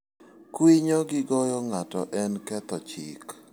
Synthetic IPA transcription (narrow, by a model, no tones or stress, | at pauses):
kwiɲɔɡɪɡɔjɔŋatɔ̰ʔɛnkɛt̪ɔt͡ʃḭk